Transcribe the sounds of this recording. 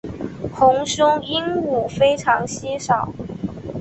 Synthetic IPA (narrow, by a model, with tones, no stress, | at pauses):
xʊ˧˥ŋɕʊ˥ŋi˥ŋu˨˩fe˥ɪʈ͡ʂʰɑ˧˥ŋɕi˥ʂɑ˨˩˦ʊ